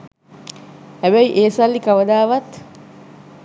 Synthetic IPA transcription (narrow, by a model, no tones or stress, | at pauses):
hæbæjiʔeːsɐlːikaʋəd̪aːʋɐt̪